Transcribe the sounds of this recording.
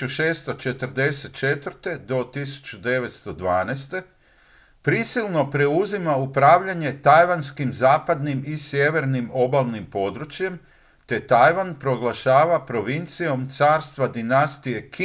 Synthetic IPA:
uʃe̞ːst̪o̞t͡ʃe̞t̪əɾd̪e̞set̪̚t͡ʃe̞t̪ʋɾt̪e̞d̪o̞t̪isu̥t͡ɕud̪e̞ʋe̞t̪st̪o̞d̪ʋaːnest̪e̞ | pɾisilˠno̞pɾe̞uzimaupɾaːʋʎaɲe̞t̪ajʋanskimzaːpad̪nimisje̞ʋe̞ɾnimo̞balˠnimpo̞d̪ɾut͡ɕje̞m | t̪e̞t̪ajʋanpɾo̞ɡlˠaʃaːʋapɾo̞ʋint̪sijo̞mt̪saːɾst̪ʋad̪inast̪ije̞k

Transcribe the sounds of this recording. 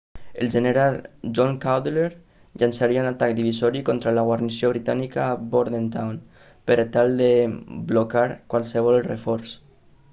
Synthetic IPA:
ḛld͡ʒeneɾalˠʒɔŋkawd̪leɾ | ʎansaɾiaunat̪akd̪iβizɔɾikɔnt̪ɾalaɣwarnisioβɾit̪anikaːboɾðent̪awn | pəɾat̪alˠd̪eblokaɾkwalˠseβ̞ɔlrḛfɔɾs

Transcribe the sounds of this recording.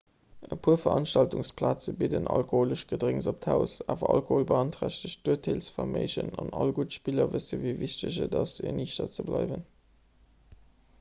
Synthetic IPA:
əpʰuːɐfɐʔɑnʃtɑltuŋspʰlaːt͡səbidənʔɑlkohoːləʃɡ̥ədʁeŋzop̚tʰæʊsaːvɐʔɑlkoholbəɑntʁæɕtəɕd̥uːətʰelsfɐmeɪʑənɑnɑlɡutʃpilɐvəsəviɪviʃtəʑədɑsinʔiːʃtɐt͡səblɑɪvən

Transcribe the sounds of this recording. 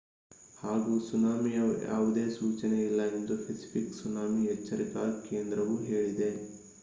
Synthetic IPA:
haːɡuːsunaːmijɐja̰ːʋud̪e̞ːsuːt͡ʃɐneilːɐend̪upʰesi̥pʰiksunaːmiɛt͡ʃːɐɾikaːɾkeːnd̪ɾɐʋuɦe̞ːɭid̪e̞

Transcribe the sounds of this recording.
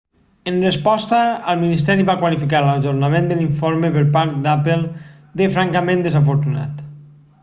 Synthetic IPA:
ənrəspɔst̪əəlˠminist̪ɛɾiβakwalifikaɾlaʒuɾnamẽnd̪əliɱfoɾmepəɾpaɾt̪̚d̪apəlˠ | d̪efɾaŋkamẽnd̪əzafoɾt̪una̰t̪

